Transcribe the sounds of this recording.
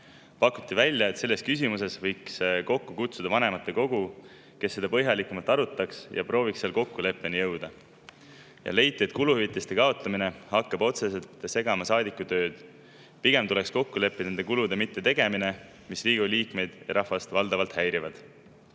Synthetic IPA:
pɑkːˑut̪ːˑivælʲjɑe̞t̪se̞lːe̞st̪kys̬ʲimus̬e̞svɤjksko̞kːukut̪sud̪ɑvɑne̞mɑt̪ːˑe̞ko̞ɡ̥u | ke̞sːe̞d̪̥ɑpɤ̞ɦjɑlikːˑumɑlt̪ːˑɑɾut̪ːˑɑksjɑ̰pro̞ːvikselko̞kːule̞pˑːe̞nijɤwd̪̥ɑ | jɑ̰le̞jt̪ˑːie̞t̪̚ˑkuluhyvit̪ːˑest̪ekɑo̞t̪ˑlɑmine̞hɑkːɑbo̞t̪se̞se̞lt̪ˑse̞ɡ̥ɑmɑsɑːd̪ikːˑut̪ø̞ːd̪̥ | piɡ̥e̞mt̪ule̞ksko̞kːule̞pːine̞nd̪̥e̞kulud̪e̞mit̪ːe̞t̪e̞ɡ̥e̞mine̞ | misriːɡ̥uliːkme̞jd̪̥jɑ̰ɾʔɑhvɑst̪vɑld̪ɑvɑlt̪hæjɾivɑd̪̥

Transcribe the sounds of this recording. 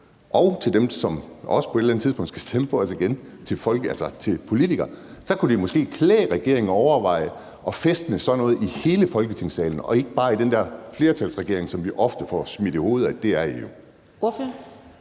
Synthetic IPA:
ʔɒʊt͡sʰe̝ld̥emsɒ̽mɒ̽sə̥pʰɒe̝d̥lænət͡sʰiðˠpɔ̽ŋ̰d̥sɡ̥æ̥sd̥empʰɒ̽ɒsiɡ̥en | t͡sʰe̝lfɒ̽lælsɐt͡sʰe̝lpʰo̝lit͡sʰiɡ̥ɐ | sɒ̽kʰud̥imɒ̽sɡ̥e̝̰ːkʰlɛ̰ːʁɛɡ̥e̝ɐ̰eŋnɒʊɐʋɑ̈ɪ̰ə | ʔɒ̽fesd̥ənəsɒ̽nɔ̽ːð̞̩ˠihe̝ːləfɒ̽lɡ̥ət͡sʰe̝ŋ̰sɛ̰ːln̩ɒ̽e̝ɡ̥əb̥ɑ̈ːid̥end̥æɐfle̝ːɐt͡sʰælsʁɛɡ̥e̝ɐ̰e̝ŋsɒ̽mʋiʔɒ̽fd̥əfɒ̰smid̥iho̝ːð̞̩ˠæ̥d̥e̝æɐijo̝ | f

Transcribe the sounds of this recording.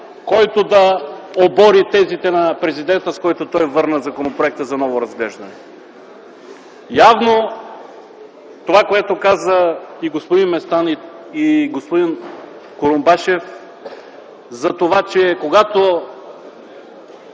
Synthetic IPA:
kɔjt̪od̪ɐobɔɾit̪ɛzit̪ɛnɐpɾɛzid̪ɛnt̪əskɔjt̪ot̪ɔjvɤɾnəzɐkonopɾoɛk̚t̪əzɐnɔvoɾɐzɡlɛʒd̪ɐnɛ | javno | t̪ovakoɛt̪okazəiɡospod̪inmɛst̪an | iɡospod̪in | koɾombaʃɛf | zɐt̪ovat͡ʃɛkoɡat̪o

